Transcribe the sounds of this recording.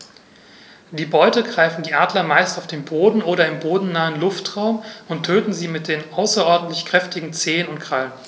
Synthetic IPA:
d̥iːbɔʏtəɡʁaɪfn̩diːʔaːdlɐmaɪstaʊfd̥eːnboːdn̩ʔoːɾɐɪmboːdn̩naːənlʊftʁ̥aʊmʊntʰːøːtn̩ziːmɪt̚d̥eːnʔaʊsɐʔɔɐdn̩tlɪçkʁ̥ɛftɪɡŋ̩t͡seːənʊntkʁ̥alən

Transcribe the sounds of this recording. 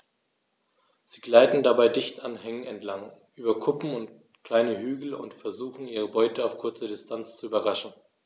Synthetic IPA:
z̥iːɡlaɪtn̩dabaɪdɪçtʔanɦɛŋənɛntlaŋʔyːbɐkʰʊpm̩ʊnt | kl̥aɪnəɦyːɡl̩ʊ̰ntfɛɐzuːxn̩iːʁ̞əbɔʏtəaʊfkʰʊɐt͡sɐdɪstʰant͡st͡suyːbɐʁaʃn̩

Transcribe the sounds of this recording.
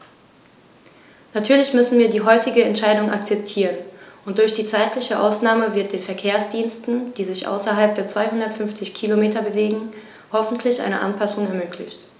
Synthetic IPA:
natʰyːɐlɪçmʏsn̩viːɐdiːɦɔʏtɪɡəɛntʃaɪdʊŋʔakt͡sɛp̚tʰiːʁənʔʊnt̚d̥ʊɐçd̥iːt͡saɪtʰlɪçəʔa̰ʊsnaːməvɪɐt̚d̥eːnfɛɐkʰeːɐsd̥iːnstn̩d̥iːzɪçʔa̰ʊsɐɦalp̚d̥eːɐt͡sv̥aɪhʊndɐtfʏnft͡sɪçkʰilomeːtɐbəveːɡŋ̩ | hɔfn̩tʰlɪçʔa̰ɪnə̰ʔa̰npʰasʊŋɛɐmøːkʰlɪçt

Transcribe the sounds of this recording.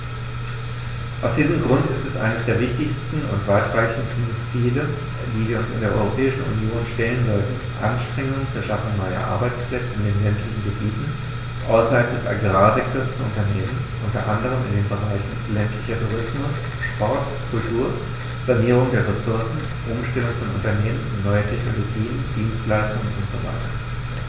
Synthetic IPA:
ʔaʊsd̥iːzəmɡʁʊntɪstɛsʔa̰ɪnəsd̥eːɐvɪçtɪçstn̩ʊ̰ntv̥aɪtʁ̥aɪçn̩stn̩t͡siːlə | diːviːɐʊnsɪndeːɐʔɔ̰ʏʁopʰɛːɪʃn̩ʔṵnjoːnʃtɛlənzɔltn̩ | ʔanʃtʁ̥ɛŋʊŋt͡suʊɐʃafʊŋnɔʏɐ̰ʔa̰ɐbaɪt͡spl̥ɛt͡sɪndeːnlɛntʰlɪçn̩ɡəbiːtn̩ | ʔaʊsɐhalp̚d̥ɛsʔa̰ɡʁaːzɛk̚toːɐst͡suʊntɐneːmən | ʔʊntɐ̰ʔandəʁ̞əmɪndeːnbəʁ̞aɪçn̩lɛntlɪçɐtʰuʁɪsmʊs | ʃpɔɐt | kʰʊltʰuːɐ | z̥aniːʁ̞ʊŋdeːɐʁesʊɐsn̩ | ʔʊmʃtɛlʊŋfɔnʔʊ̰ntɐneːmənɪnɔʏɐtʰɛçnoloɡiːnd̥iːnstlaɪstʊŋənʔʊntz̥ova̰ɪtɐ

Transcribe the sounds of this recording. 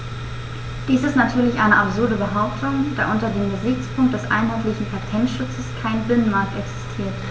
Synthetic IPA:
d̥iːsɪstnatʰyːɐlɪçʔaɪnəʔapz̥ʊɐdəbəɦaʊptʊŋd̥aːʔʊntɐdeːmɡəzɪçt͡spʰʊŋkt̚d̥ɛsʔa̰ɪnɦaɪtlɪçn̩pʰatʰɛntʃʊt͡səskʰaɪnbɪnənmaɐk̚tɛksɪ̥stʰiːɐt

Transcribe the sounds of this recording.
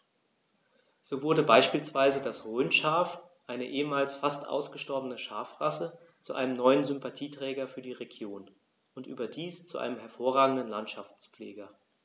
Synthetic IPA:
z̥oːvʊɐdəbaɪʃpiːlsv̥aɪzədasʁøːnʃaɐfʔaɪnəʔeːəmaːlsfastʔa̰ʊsɡ̥əʃtɔɐbənəʃaːɐfʁ̥asə | t͡suʔaɪnəmnɔʏənzʏmpatʰiːtʁ̥ɛːɡɐfyːɐdiːʁeɡjoːn | ʔʊntʔy̰ːbɐdiːst͡suʔa̰ɪnəmɦɛɐfoːɐʁaːɡŋ̩dn̩lantʃaft͡sp͡flḛːɡɐ

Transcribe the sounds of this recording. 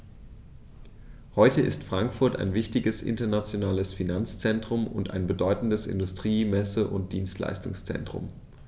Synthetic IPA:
hɔʏtəʔɪ̰stfʁ̥aŋkfʊɐta̰ɪnvɪçtɪɡəsʔɪ̰ntɐnat͡sjonaːləsfinant͡st͡sɛntʁ̥ʊmʊnta̰ɪnbədɔʏtn̩dəsɪ̰ndʊstʁ̥iːmɛsəʔʊnt̚d̥iːnstla̰ɪstʊŋst͡sɛ̰ntʁ̥ʊ̰m

